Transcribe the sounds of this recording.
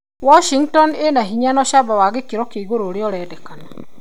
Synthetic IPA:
wɔʃiŋtɔnenaɦiɲanɔʃabawaɣekeɾɔkeiɣoɾoːɾeɔɾɛːdɛkana

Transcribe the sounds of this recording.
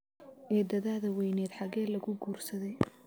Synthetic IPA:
ʔɛːd̪ɐðaːðɐwɛjnɛːd̪ħɑɣɛːlɐɣʊɡuːrsɐðɛj

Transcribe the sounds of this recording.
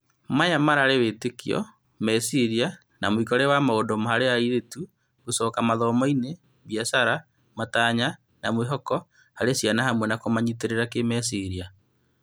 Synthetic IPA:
majamaɾaɾewetekiɔ̰ | mɛsiɾia | na̰moikɔɾɛwamaodɔmaɦaɾeaiɾetu | ɡosɔkamaðɔmɔine | βjasaɾa | mataɲa | namweɦɔkɔ | haɾesjanahamwɛnakomaɲiteɾeɾakemɛsiɾia

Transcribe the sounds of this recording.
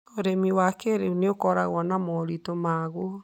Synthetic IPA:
oɾemiwakeɾeuneokɔɾaɣwɔnamɔɾitomaɣo

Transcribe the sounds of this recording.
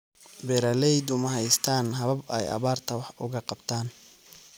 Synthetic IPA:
bɛɾɐlɛjd̪ʊmɐɦɛjst̪ʰaːnɦɐβɐbɛ̰jɐ̰βaːrt̪ʰɐwɑħʊɣɐqɑbt̪ʰaːn

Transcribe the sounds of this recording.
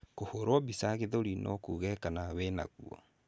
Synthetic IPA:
kohoɾwɔbisaɣeðoɾinʔɔkuːɣɛkanawɛna̰ɣṵɔ̰

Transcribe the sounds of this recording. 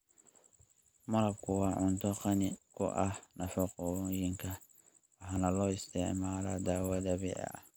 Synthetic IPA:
mɐlɐkʰʊwaʔʊnt̪ʰɔqɐnɪkʰʊ̰ʔanɐfɔqɔjɪŋkʰɐ | waħanɐlɔːɪst̪ɪʕmaːlad̪aːwad̪ɐβɪ̰ʕa̰

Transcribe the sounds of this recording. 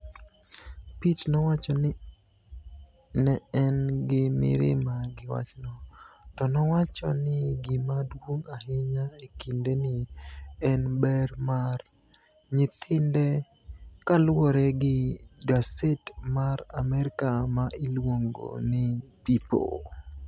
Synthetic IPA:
pitnɔwat͡ʃɔn | nɛɛnɡɪmɪ̰ɾɪ̰maɡɪwa̰t͡ʃnɔtɔnɔwat͡ʃɔ̰nɪɡɪmadwoŋahɪɲaekindenɪɛnbɛɾmar | ɲɪt̪ʰɪndɛ | kalwoɾɛɡɪɡasetmaɾa̰mɛɾɪkamaʔɪlwoŋɡo̰nɪtipo̰

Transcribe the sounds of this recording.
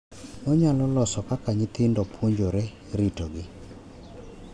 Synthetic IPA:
mɔɲalɔlɔsɔkakaɲɪt̪ɪndɔpʰwoɲd͡ʒoɾɛ | ɾitoɡɪ

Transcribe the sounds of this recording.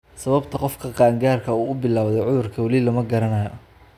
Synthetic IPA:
sɐβɐbt̪ʰɐqɔfkʰɐqɑːŋɡaːrkʰɐuːʊbɪlaːwðɛjʕʊðʊrkʰɐwɐlilɐmɐɡɐɾɐnɐjɔ

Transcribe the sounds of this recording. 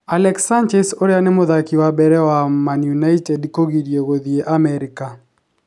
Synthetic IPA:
alɛksand͡ʒɛsoɾɛanɪmʊðakiwabɛɾɛwamanjunaitɛdkoɡiɾjeɡoðieʔamɛɾɪka

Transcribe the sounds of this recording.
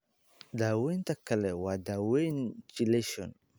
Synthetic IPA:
dawent̪akːalɛwadawent͡ʃileʃɔ̰n

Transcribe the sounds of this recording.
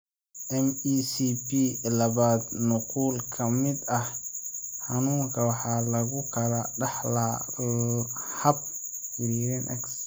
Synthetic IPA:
ʔɛmiːsibilɐβaːd̪nʊquːlkʰɐmɪd̪ɐh | ħɑnuːŋkʰɐwɑħɑːlɐɣʊkʰɐlɐɖɑħlɐ | hɐb̚ | wɪɾiɾɛnʔɛ̰ks

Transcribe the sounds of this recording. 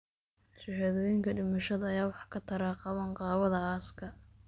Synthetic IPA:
ʃɪhaðɔːjɪŋkʰɐɖɪmɐʃɐðɐːjaːwɑħkʰɐt̪ʰɐɾaːqɑβɐŋqɑːβɐðɐaːskʰɐ

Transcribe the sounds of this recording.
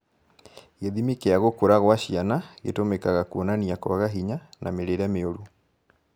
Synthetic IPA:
ɣeðimikeaɣokoɾaɣwaɕianaɣḛtomɛkaɣakuonaniakwaɣaɦiɲanameɾeɾɛmeoɾu

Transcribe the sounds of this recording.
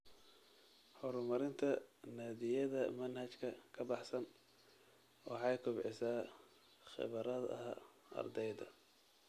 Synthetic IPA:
ħɔɾmɐɾɪnt̪ʰɐnaːðɪjɐðɐmɐnhɐt͡ʃkʰɐkʰɐbɑħsɐn | wɑħɑjkʰʊbʕɪsaː | χɪ̰βɐɾɐðɐ | ɐ̰rd̪ɛjd̪ɐ̰

